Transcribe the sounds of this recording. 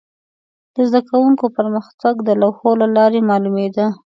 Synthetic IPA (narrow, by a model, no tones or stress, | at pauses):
d̪̥əzd̪akawuŋkopəɾməxt̪aɡd̪əlawxolalɑɾemɑlumed̪a